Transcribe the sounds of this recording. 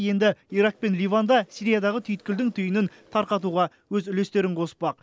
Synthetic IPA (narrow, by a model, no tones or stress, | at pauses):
je̞nd̪ɪiɾɑq̚pe̞nlijvand̪ɑsijɾijad̪ɑʁət̪ʰʏjɪt̪̚kʲɪld̪ɪŋt̪ʰʏjənɪn | t̪ʰɑɾqɑt̪̬uʁɑ | wɵzʏle̞st̪e̞ɾɪɴqʰosə̥pɑq̚